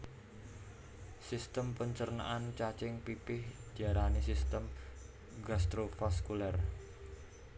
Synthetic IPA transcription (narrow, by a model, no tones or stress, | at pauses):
sist̪əmpəɲt͡ʃərna̰ʔant͡ʃat͡ʃɪŋpipɪhd͡ʒ̥aɾanisist̪əm | ɡast̪ɾofaskulɛr